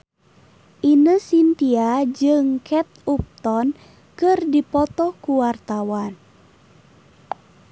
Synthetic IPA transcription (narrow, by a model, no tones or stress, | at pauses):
ʔinəsint̪iad͡ʒɨŋkʰɛt̪̚up̚t̪ɔn | kɨrdipɔt̪ɔkuwart̪awan